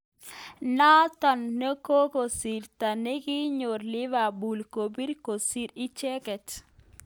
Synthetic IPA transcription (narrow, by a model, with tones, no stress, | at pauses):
na˦t̪ɔ˨nːə˦ko˦ko˨si˨ɾt̪a˨ne˦ɡi˦ɲo˨ɾlɪ˦ʋa˨bu˨lko˨bi˦ɾko˨si˦ɾi˦t͡ʃɛ˦kɛ˨t